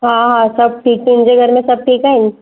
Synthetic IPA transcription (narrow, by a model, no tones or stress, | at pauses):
ɦãɦãsɐb̚ʈʰiːk̪̚ɪ̃nd͡ʒeɡʱɐɾmẽsɐb̚ʈʰiːkɦaɪ̃nd͡ʒ